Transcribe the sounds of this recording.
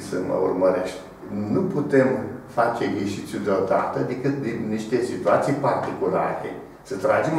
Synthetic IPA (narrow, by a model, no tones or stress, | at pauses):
səmə̰ṵrməɾeʃt̪ʲ | nuput̪e̞mfat͡ʃe̞ɡeʃit̪sʲjud̪eod̪a̰t̪əd̪ekɨt̪̚d̪inːiʃt̪e̞sit̪uat̪sijpart̪ikula̰ɾḛ | sət̪ɾad͡ʒem